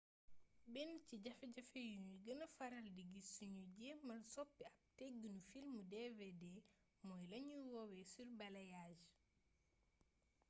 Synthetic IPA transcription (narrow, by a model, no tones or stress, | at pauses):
bɛnciɟɐfɛɟɐfejuɲuɡɐnɐfɐɾɐldiɡisuɲuɟɛmɐnsɔpːiɐp̚tɛɡunufilmudevede | mɔːjlɐɲuwɔwɛsurbɐlɐjaːd͡ʒ